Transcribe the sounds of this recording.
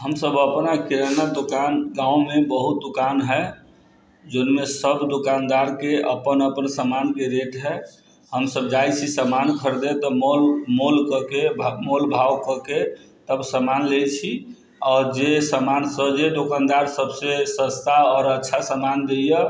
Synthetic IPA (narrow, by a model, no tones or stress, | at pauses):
ɦəmsəbəpnakiɾənad̪okanɡãũmebəɦut̪̚d̪ukanɦɛ | d͡ʒonmesəbd̪okand̪aɾkeəpənəpənsəmankeɾeʈɦɛ | ɦəmsəb̚d͡ʒajt͡ʃʰisəmankʰəɾd̪et̪ɔmolmolkəkemolbʱawkəke | t̪əbsəmanlet͡ʃʰi | ɔːɾd͡ʒesəmansəd͡ʒed̪okand̪aɾsəbsesəst̪aɔɾətːʃʰasəmand̪ejə